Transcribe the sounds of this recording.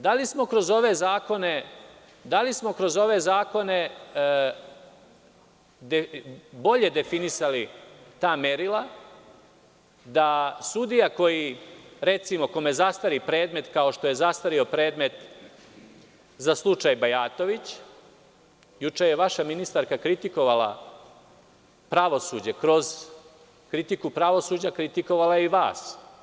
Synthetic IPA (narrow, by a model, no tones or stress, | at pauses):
d̪alismo̞kɾo̞zo̞ʋe̞zaːko̞ne̞ | d̪alismo̞kɾo̞zo̞ʋe̞zaːko̞ne̞ | d̪ebo̞ʎe̞d̪e̞finisalit̪aːmeɾilˠa | d̪asud̪ijako̞jiɾe̞t̪simo̞ko̞mezast̪aɾipɾe̞ːd̪me̞t̪kao̞ʃt̪o̞je̞zast̪aɾio̞pɾe̞ːd̪me̞t̪ | zaslˠut͡ʂajbajaːt̪o̞ʋit͡ɕ | jut͡ʂejeʋaʃaminist̪aɾkakɾit̪iko̞ʋala̰ | pɾaʋo̞sud͡ʑekɾo̞z | kɾit̪ikupɾaʋo̞suːd͡ʑakɾit̪iko̞ʋalajeiʋa̰ːs